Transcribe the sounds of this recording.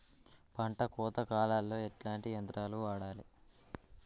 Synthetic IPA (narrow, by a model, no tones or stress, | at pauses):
pɐɳʈɐkɔːt̪ɐkaːlaːlːo̞ːeʈlaːɳʈient̪ɾaːluʋaːɽaːli